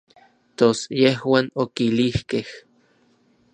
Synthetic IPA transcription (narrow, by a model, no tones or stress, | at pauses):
t̪osjeɦwaːnokilihkeh